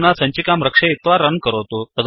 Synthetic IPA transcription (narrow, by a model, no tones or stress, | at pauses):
nasə̃ɲt͡ɕikamɾəkʂeit̪ʋaɾənkəɾot̪ut̪əd̪